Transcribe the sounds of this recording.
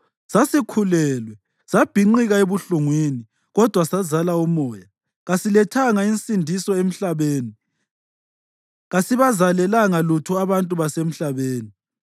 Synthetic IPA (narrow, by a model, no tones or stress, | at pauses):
sasikʰulɛːlwɛ | sab̥ʱiŋ͡ǃiɣaeβuɬuŋwini | ɣɔd̥ʱwasazalaumɔːja | ɣasilɛtʰaŋainsʼindʱisɔem̩ɬaβeːni | ɣasiβazalɛlaŋalutʰuaβantʼuβasem̩ɬaβeːni